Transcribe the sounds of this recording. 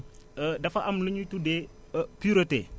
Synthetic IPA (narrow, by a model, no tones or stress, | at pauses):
ədɐfɐʔɐmləɲutude | puɾɐtḛ